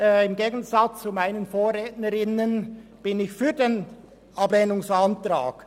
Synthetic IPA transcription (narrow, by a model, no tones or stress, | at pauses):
ɪmɡeːɡən̩zat͡st͡sumaɪnənfoːrʁeːtnəɾɪnənb̥ɪnɪçfyːɐdeːn | ʔableːnʊŋsantra̰ːk